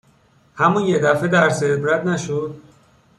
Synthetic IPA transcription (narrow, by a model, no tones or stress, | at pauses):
hæmunjed̪æfed̪æɾseb̪ɾæt̪næʃod̪̥